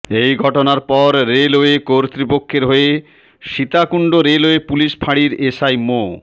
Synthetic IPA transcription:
ejɡʱɔʈonaɾpɔɾːeloekoɾt̪ɾipokʰːeɾɦoe | ʃit̪akuɳɖoɾeloepuliʃpʰaɽiɾeʃajmo

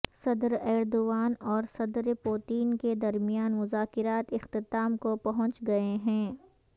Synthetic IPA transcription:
sɐd̪ɾɛːɾd̪oːʋaːnɔːɾsɐd̪ɾpoːt̪iːnked̪ɐɾmijaːnmʊzaːkɪɾaːt̪ɪxt̪ɪt̪aːmkopɐɦʊ̃nt͡ʃɡɐeɦɛ̃ː

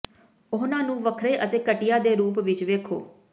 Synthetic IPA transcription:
ʊɦnãːnũːʋəkʰɾeːʔət̪eːkəʈɪjaːd̪eːɾuːpʋɪt͡ʃʋeːkʰo̰ː

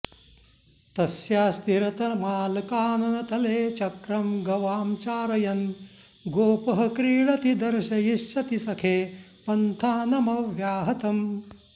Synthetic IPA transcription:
t̪ɐsjaːst̪iɾɐt̪ɐmaːlkaːnɐnɐt̪ɐleːt͡ʃɐkɾɐmɡɐʋaːmt͡ʃaːɾɐjɐn | ɡoːpɐɦɐkɾiːɭɐt̪id̪ɐɾʃɐjiʃːɐt̪isɐkʰeː | pɐnt̪ʰaːnɐmɐʋjaːɦɐt̪ɐm

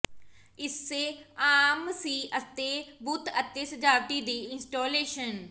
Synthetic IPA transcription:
ɪsːeaːmsiːʔət̪ebuːt̪ət̪ːeːsəd͡ʒaːbʈiːd̪iːɪnsʈoːleːʃən

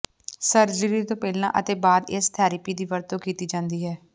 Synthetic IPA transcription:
səɾd͡ʒəɾiːt̪õːpɛːlnã̰ːʔət̪eːbaːd̪ɪst̪ʰaːɾɪpiːd̪iːʋəɾt̪õːkiːt̪iːd͡ʒãːnd̪iːɦɛː

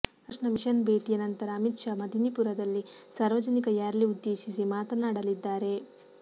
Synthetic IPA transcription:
ʂɳɐmiʃɐnbʱeːʈijɐnɐnt̪ɐɾɐːmit̪ʂɐmɐd̪ʱinipuɾɐd̪ɐlːisaːɾʋɐd͡ʒɐnikɐjaːɾliud̪ːe̞ːʃisimaːt̪ɐnaːɽɐlid̪ːaːɾe̞

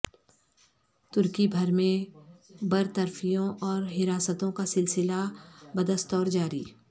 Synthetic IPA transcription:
t̪ʊɾkibʱɐɾmẽ | bɐɾt̪əɾfijõʔɔːɾɦɪɾaːsət̪õkasɪlsɪlabɐd̪əst̪ɔːɾd͡ʒaːɾḭː

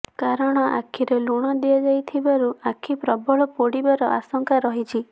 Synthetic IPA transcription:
kaɾɔɽ̃ɔʔa̰kʰiɾeluɽ̃ɔd̪iɔd͡ʒajt̪ʰibaɾuakʰipɾɔbɔɭɔpoɽibaɾɔ̰ʔasɔŋkaɾɔɦit͡ʃʰi

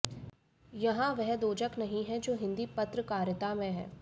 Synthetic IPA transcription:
jɐɦãʋɛɦd̪oːd͡ʒəknɐɦĩɦɛ̃d͡ʒoːɦɪ̃nd̪iːpɐt̪ɾəkaːɾjət̪amẽɦɛ̰̃ː

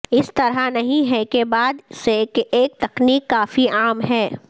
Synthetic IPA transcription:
ɪst̪ɐɾanɐɦĩɦɛkebaːd̪sekeːk̚t̪ɐkniːkːaːfiaːmɦɛː

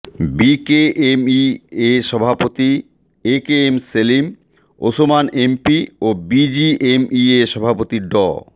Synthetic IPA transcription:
bikeemieʃɔbʱapot̪i | ekeemselim | osomanempiobid͡ʑiʔemieʃɔbʱapot̪iɖɔ̰

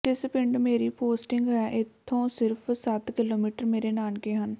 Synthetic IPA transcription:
ʈɪspəɳɖmeːɾiːpoːsʈɪŋɡɦɛːʔɪt̪ʰːõːsɪɾpʰsət̪kɪloːmiːʈəɾmeːɾeːnaːnkeːɦən

